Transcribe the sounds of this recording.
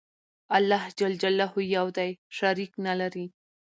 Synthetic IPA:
alːɑhd͡ʒald͡ʒalːaɦujawd̪ajʃaɾiknalaɾi

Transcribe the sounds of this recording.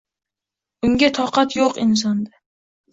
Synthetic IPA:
ʊŋɡʲat̪ʰɒqɑt̪joqɪns̬ɒnd̪a

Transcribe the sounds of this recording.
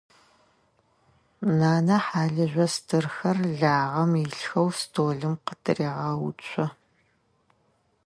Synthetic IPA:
naːnɐħaːɮɨʒʷɐstʰɨrxɐrɮaːʁɐmiɬxɐwstʰoːɮɨmqətʰɨriːʁɐwṵt͡ʃʷʼʰɔ

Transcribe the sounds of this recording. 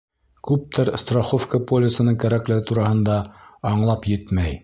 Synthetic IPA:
kʉp̚t̪ʰɘɾst̪raχofkɐpolʲɪsɤ̆nɤɴkæɾæklɘ̆ɡɘt̪uɾɑhɤ̆nd̪ɑɑɴlˠɑpjɘt̪mæj

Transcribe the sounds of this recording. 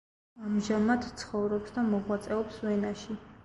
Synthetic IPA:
amʒamat̪t̪sʰχɔvɾɔpsd̪amɔʁwat̪sʼɛɔpsvɛnaʃi

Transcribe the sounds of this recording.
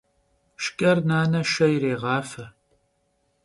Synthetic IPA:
ʃkʼɐrnaːnɐʃɐjiɾeːʁɑːfɐ

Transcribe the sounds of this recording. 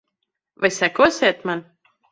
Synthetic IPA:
vajsækɔːsʲeːt̪man

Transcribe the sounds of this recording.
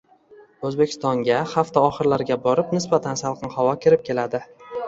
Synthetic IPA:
ɵzbe̞kʲʰɪst̪ɒŋɡʲahaft̪aɒχɨɾlaɾɡʲabɒɾɪpnɪsbat̪ʰansalˠqʰɨnhavɒkʲʰɪɾɪp̚kʲʰe̞lad̪ɪ

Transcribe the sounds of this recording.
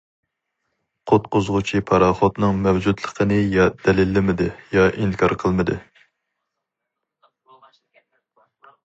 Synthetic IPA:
qʰʊt̪̚qʊzʁʊt͡ʃʰipʰɑɾɑχɔt̪nɨŋmɛwd͡ʒud̪lˠəqʰənɨjɑd̪̥ɛlɪlːɪmɪd̪ɨjɑʔiŋkʰɑɾqʰəlˠmɨd̪ɨ

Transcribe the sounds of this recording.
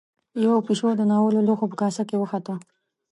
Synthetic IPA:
jawapiʃod̪ənɑwəloloxopəkɑsakewəxat̪ə

